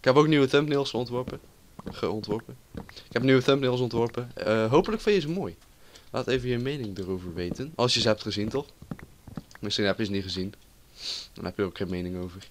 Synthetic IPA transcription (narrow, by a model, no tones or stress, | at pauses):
ɪkɦɛpowkniwətɛmpnɪlˠsχəɔntʋɔɹpə | χəɔntʋɔɹpəɪkɛpniwətɛmpnɪlˠs̬ɔntʋɔɹpəɦowpələkfɪ̃jəɪs̬əmoːj | la̰ːtejvəjəmejnɪŋdərowvəɹʋejtənɑ̰lˠsjəzəɛp̚tχəzintɔχ | mɪsχinɦɛpjəzəniχəzin | dɑ̰nɦɛpjədokχenmejnɪŋowvəɹ